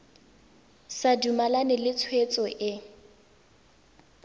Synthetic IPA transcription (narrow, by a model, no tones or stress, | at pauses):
sadumalanɛlɪt͡sʰwet͡sʼɔʔɪ